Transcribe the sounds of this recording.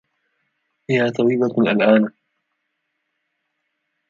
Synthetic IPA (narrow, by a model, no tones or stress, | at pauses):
hɪhaːt̪ɑwiːlalʔalʔaːn